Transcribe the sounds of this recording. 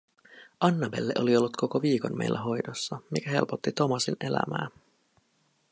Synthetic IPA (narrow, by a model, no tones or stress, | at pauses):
ɑnːɑbe̞̰lːeʔo̞lio̞lːut̪kʰo̞ko̞ʋiːko̞̰nme̞̰jlːʔæɦo̞jdosːɑmikæɦe̞̰lpot̪ːit̪o̞mɑsine̞læ̰mæ̰ː